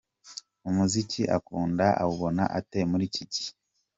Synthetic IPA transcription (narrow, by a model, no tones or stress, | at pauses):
omuziciʔakuːndaʔa̰βuβo̞na̰ʔate̞muɾicici̥